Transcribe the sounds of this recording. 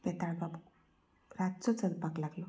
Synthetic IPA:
pɛt̪aɳbab | ɾatt͡sɔt͡səd̪paklaɡlɔ

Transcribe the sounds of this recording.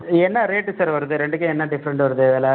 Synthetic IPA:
ɛnːɐɾeːʈːɯsaːɾʋɐɾɯðɯɾɛɳɖɯkːẽɛnːɐɖɪfɐɾɐɳʈɯʋɐɾɯðɯʋeːla

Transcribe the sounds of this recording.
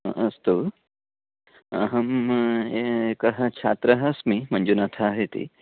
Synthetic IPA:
ɐst̪u | ɦɐmekɐɦɐt͡ʃʰaːt̪ɾɐɦɐsmimɐnd͡ʒunat̪ʰaːɦet̪ḭ

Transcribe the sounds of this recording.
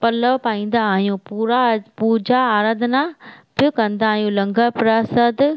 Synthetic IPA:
pɐləʋpaːĩːn̆d̪aːɦijũpuɾapuːd͡ʑaːɾaːd̪ʱnab̥ɪkɐ̃nd̪aːɦijũlɐ̃ŋɡʱəpɾaːsəd̪

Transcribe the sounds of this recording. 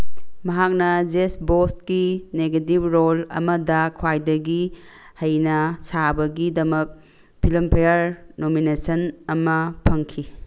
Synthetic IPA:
mɐɦak̚nɐd͡ʒesbostkineɡetib̚ɾolɐ̰mɐdɐkʰwajdɐɡihɐjnɐsabɐɡidɐmɐk̚ | pʰilɐmpʰejɐɾnominesɐnɐmɐpʰɐŋkʰi

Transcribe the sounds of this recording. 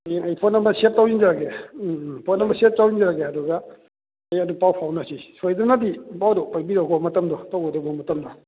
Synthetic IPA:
eŋɐjpʰotnɐmbɐsep̚tawzind͡ʒaɾakʰe | pʰotnɐmbɐsep̚tawind͡ʒaɾakeɐduɡɐ | ɐjɐdupawpʰawnasisojdunadipawdɔpajbiɾaɡɔmɐtɐmdɔtawɡɔdɔɡɔmɐtɐmdɔ

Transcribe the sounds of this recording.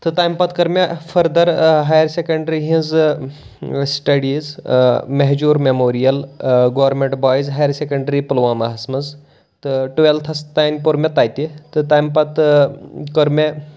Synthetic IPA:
t̪ɨt̪ajmpɐt̪kɐɾmefʰɐɾd̪ɐɾɦajɐɾsekɐɳɖɾiɦĩz | sʈɐɽiːzmeɦd͡ʒuːɾmemoːɾijɐlɡoːʋɐɾmʲeɳʈbaːjzɦajɐɾsekɐɳɖɾipulʋaːmɐɦɐsmɐz | t̪ɨʈuʋelt̪ʰɐst̪aːjnʲpuɾmʲet̪aːjt̪it̪ɨt̪aːjmpɐt̪ | kəɾmʲe

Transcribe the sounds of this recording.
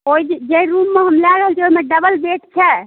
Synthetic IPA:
oid͡ʒd͡ʒeiɾumːeɦəmlaɾəɦəlt͡ʃʰioimeɖəbəlbeʈt͡ʃʰɛ

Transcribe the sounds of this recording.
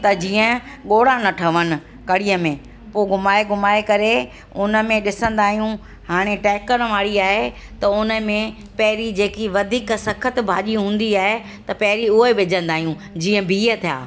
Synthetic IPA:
t̪ɐd͡ʑiːə̃ɠoːɽanɐʈʰɐʋənɪ̆ | kɐɽijəmẽ | poːɡʊmaːeɡʱʊmaːekɐɾe | ʊnə̆mẽɗɪsə̃nd̪aːɦijũ | haːɽ̃eʈɛːkəɾʋaːɽiaːɦe | t̪ɐʊnəmẽ | pɐɦɪɾid͡ʑeːkiʋɐd̪ʱiːksɐkʰət̪bʱaːʄiɦũːn̆d̪iaːɦe | t̪ɐpɐɦɪɾiʊɦeʋɪd͡ʑə̃nd̪aːɦijũ | d͡ʑiːə̃bʱiːət̪ʰija̰ː

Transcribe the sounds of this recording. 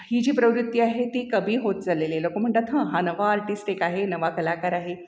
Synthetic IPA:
hid͡ʑiːpɾəʋɾut̪jiaɦet̪iːkəbʱiːɦot̪̚d͡zalelelokom̤əɳt̪at̪ɦə̃ɦanəʋaːɾʈiːsʈekaɦenəʋakəlakaɾaɦe

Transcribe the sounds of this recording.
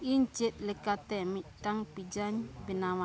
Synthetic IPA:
iɲt͡ʃet̪̚lekat̪ɛmiʔtaŋpid͡ʒaɲpinawa

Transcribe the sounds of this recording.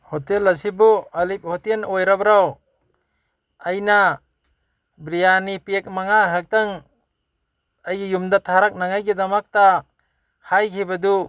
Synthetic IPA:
hɔtelasibɔalip̚hɔtenɔjɾabɾaw | ajna | bɾijanipek̚maŋakʰak̚t̪aŋ | ajɡijumd̪at̪ʰaɾak̚naŋajɡid̪amak̚ta | hajkʰibad̪u

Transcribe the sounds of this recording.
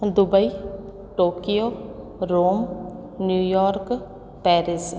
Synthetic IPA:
d̪ʊbəi | ʈoːkijoː | ɾoːm | njuːjɔːɾk | pɛːɾɪs

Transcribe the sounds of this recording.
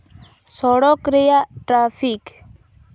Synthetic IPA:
sɔɽɔkɾejaʈɾaːfʰik

